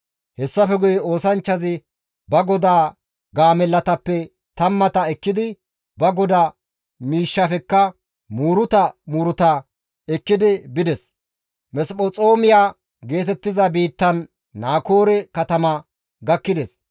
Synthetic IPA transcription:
hɛsːɐfɛɡʊjɛo̞ːsɐnt͡ʃːɐzɪ | bɐɡɔd̪aː | ɡaːmɛlːɐt̪ɐpːɛ | t̪ɐmːɐt̪ɐɛkːɪd̪ɪ | bɐɡɔd̪a | miːʃːɐfɛkːɐ | muːɾʊt̪ɐmuːɾʊt̪ɐ | ɛkːɪd̪ɪbɪd̪ɛs | mɛspʼɔt͡sʼoːmɪjaː | ɡe̞ːt̪ɛt̪ːɪzɐbiːt̪ːɐnː | aːkoːɾɛkɐt̪ɐmɐ | ɡɐkːɪd̪ɛs

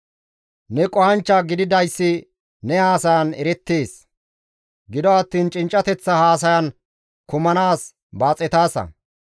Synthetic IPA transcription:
nɛkʼɔhɐnt͡ʃːaːɡɪd̪ɪd̪ɐjsːɪ | nɛhaːsɐjɐnɛɾɛt̪ːeːs | ɡɪd̪ɔɐt̪ːiːnt͡ʃʼɪnt͡ʃʼːɐt̪ɛt͡sːɐhaːs̬ɐjɐn | kʊmɐnaːs | baːt͡sʼɛt̪aːsɐ̰

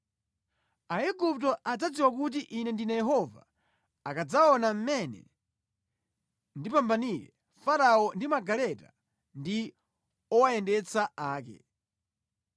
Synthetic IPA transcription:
aɛɡup̚tɔʔad͡zad͡ziwakut̬iʔinɛndinajɛɦɔva̰ | akad͡zaɔnam̩mɛnɛ̰ | ndipambanilɛ | faɾaɔndimaɡalɛta̰ | ndi | ɔwaɛndɛt͡saaːkɛ̰

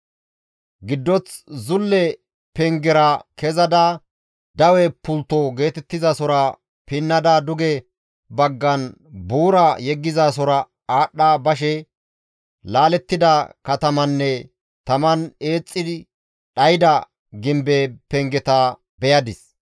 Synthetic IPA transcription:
ɡɪd̪ːɔt͡szʊlːɛ | pɛŋɡɛɾɐkɛzɐd̪aː | d̪ɐwɛpʊlt̪ːɔɡe̞ːt̪ɛt̪ːɪzasɔɾɐ | pɪnːɐd̪ad̪ʊɡɛ | bɐɡːɐnbuːɾɐjɛɡːɪzaːsɔɾɐ | aːɗːaːbɐʃ̬ɛ | laːlɛt̪ːɪd̪ɐkɐt̪ɐmɐnːɛ | t̪ɐmɐne̞ːt͡sʼːɪd̪ɪ | ɗɐjɪd̪ɐ | ɡɪmbepɛŋɡɛt̪a | bɛjɐd̪ɪs

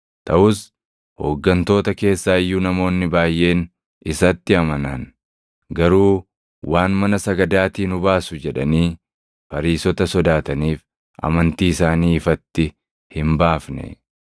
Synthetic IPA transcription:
t̪ɐʔʊs | ho̰ːɡːɐnt̪o̞ːt̪ɐke̞ːsːaːɪjːuːnɐmo̞ːnːɪbaːjːʔe̞ːn | ɪsɐt̪ːɪɐmɐnɐn | ɡɐɾuː | waːnmɐnɐsɐɡɐd̪aːt̪iːnʊbaːsʊd͡ʒɛᶑɐniː | pɐɾiːsɔt̪ɐsɔd̪aːt̪ɐniːf | ʔɐ̰mɐnt̪iːɪsaːniːɪfɐt̪ːɪ | hɪmbaːfnɛ̰

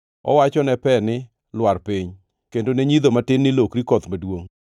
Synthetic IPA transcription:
ɔ̰wat͡ʃɔnɛpɛnɪ | lwarpɪɲ | kendoneɲid̪omatɪnːɪlokɾikɔt̪madwoŋ

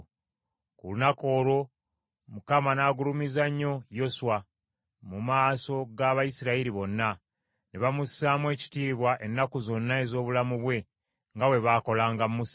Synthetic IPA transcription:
kulunako̞ːɾo̞ | mukamanaːɡulumizaɲːo̞jo̞swa | mumaːso̞ɡaβajisiɾaiɾiβo̞nːa | neβamusːaːmwe̞ːci̥tiːβwaʔe̞nːakuzo̞nːae̞zo̞ːβulamuβwe̞ | ŋɡawe̞βaːko̞laːŋɡamːus

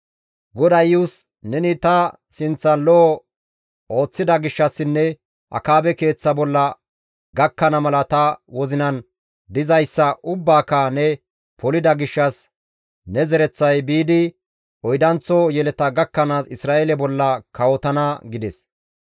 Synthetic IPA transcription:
ɡɔd̪ɐjus | nɛnɪt̪ɐ | sɪnt͡sːɐlɔɔ | o̞ːt͡sːɪd̪ɐɡɪʃːɐsːɪnːɛ | ʔɐ̰kaːbɛke̞ːt͡sːɐbɔlːɐ | ɡɐkːɐnɐmɐlɐt̪ɐwɔzɪnɐn | d̪ɪzɐjsːɐʔʊbːaːkːɐnɛ | pʰɔlɪd̪ɐɡɪʃːɐs | nɛzɛɾɛt͡sːɐjbiːd̪ɪ | ʔɔjd̪ɐnt͡sːɔjɛlɛt̪ɐɡɐkːɐnaːsɪsɾaːʔelɛbɔlːɐkɐwɔt̪ɐnɐɡɪd̪ɛs

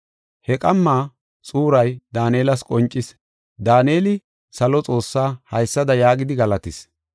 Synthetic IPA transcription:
hɛkʼɐmːaː | t͡sʼuːɾɐjd̪aːneːlɐskʼɔnt͡ʃʼːɪs | d̪aːne̞ːlɪ | sɐlɔt͡sʼo̞ːsːaːhɐjsːɐd̪ɐjaːɡɪd̪ɪɡɐlɐt̪ɪs

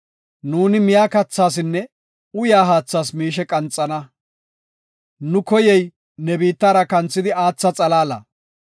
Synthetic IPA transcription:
nuːnɪmɪjaːkɐt͡sːaːs̬ɪnːɛ | ʊjaːɦaːt͡sːaːsmiːʃɛkʼɐnt͡sʼːɐnɐ | nʊkɔjɛj | nɛbiːt̪ːaːɾɐkɐnt͡sːɪd̪ɪaːt͡sːɐt͡sʼɐlaːlɐ̰

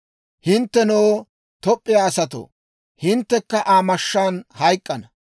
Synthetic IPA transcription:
hɪnt̪ːɛnoː | t̪ɔpʼːɪjaːsɐt̪o̰ː | hɪnt̪ːɛkːɐʔaːmɐʃːaːnhɐjkʼːɐnɐ

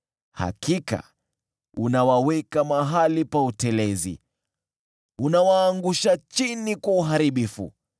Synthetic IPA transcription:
ha̰kʰika̰ | unawawɛkamaɦalipautɛlɛzḭ | unawaːŋɡuʃat͡ʃinikwauɦaɾiɓifṵ

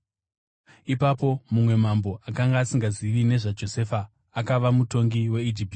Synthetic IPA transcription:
ipapo̞mumwe̞mambo̞ʔakaŋɡaːsiŋɡaziʋine̞ʐad͡ʒo̞se̞faː | kaʋamuto̞ŋɡiwe̞id͡ʒip̚

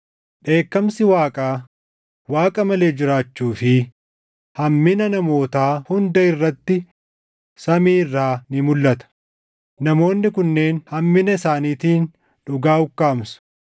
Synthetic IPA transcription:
ᶑe̞ːkːɐmsɪwaːkʼaː | waːkʼɐmɐle̞ːd͡ʒɪɾaːt͡ʃːuːfɪ | hɐmːɪnɐnɐmo̞ːt̪aːhʊnd̪ɐɪrːɐt̪ːɪ | sɐmiːɪrːaːnɪmʊlːɐt̪ɐ̥ | nɐmo̞ːnːɪkʊnːe̞ːnhɐmːɪnɐɪsaːniːt̪iːn | ᶑʊɡaːʊkːaːmsʊ̥

